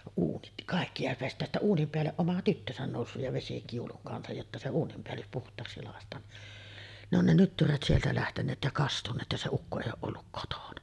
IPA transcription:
uːnit kɑˑikːi jɑ pestˑæːj jæ sitːæ uːnim peælːeʔ ʔomɑ tytːøsæn noˑusːuj jɑ ʋesikiuluŋ kɑnsɑj jotːɑ se uːnimpeælːys puhtˑɑːksi lɑˑestˑɑːn ni ne on ne nytːyræt sieltæ læhtenˑeːt jɑ kɑstunˑeːt jɑ se ukːo eˑijˑ oːʔ ʔolːuk kotonɑ

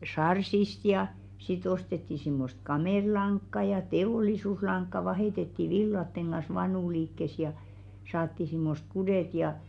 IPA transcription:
sɑrsist jɑ sit ostetːi simːost kɑmeˑɾlɑŋkːɑ jɑ teoˑlisuslɑŋkːɑ ʋɑheˑtetːi ʋilːɑtːeŋ ɡ̊ɑn̞s ʋɑnuˑliːkːes jɑ sɑːtːi simːost̆ kudeˑt jɑ

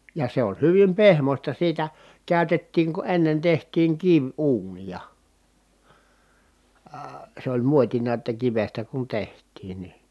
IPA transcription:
jɑ se on̞ hyʋim pehmosʲtɑ siːtæ kæˑytetːiːŋ ku enːen tehtˑiːŋ kiʋuːnijɑ əː sĕ olʲ muotinɑ ĕtːæ kiʋestæ kun tehtˑiːn ni

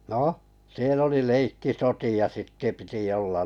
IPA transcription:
noˑ siel oli leikːisotiɑ sitːĕ piti olːɑn

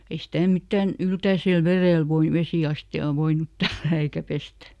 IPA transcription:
ei sitæˑ mitːæˑn yltæisel ʋereˑl ʋoin ʋesiˑɑstiɑː ʋoinut tælːæː eikæ pestæ

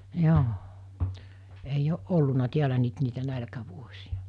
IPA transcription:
joː eij oʔ ʔolːunɑ tiælæ nyt niːtæ nælkæʋuosiɑ

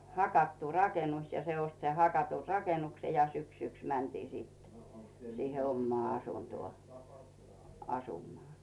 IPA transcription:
hɑkɑtːu rɑkenus jɑ se ost sen hɑkɑtur rɑkenukse jɑ syksyks mæntiː sitːe̥ siːhe omːoɑˑ ɑsuntŭoˑ ɑsumoɑˑ

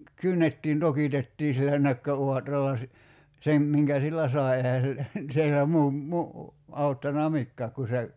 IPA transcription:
kynːetːiːn tokitetːiː silːæ nøkːøuɑtrɑlːɑ si sem miŋkæ silːæ sɑˑi̞ ehæ silːæ sielæ muː mu ɑutːɑnɑ mikːæːk ku se

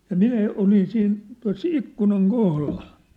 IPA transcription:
jɑ minæ olin siːn tuɑ̝s ikːunɑŋ kohlɑl

